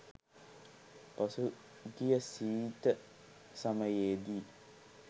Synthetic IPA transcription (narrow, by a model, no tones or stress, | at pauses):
pɐsu | ɡijəsiːt̪ə | sɐmɐjeːd̪i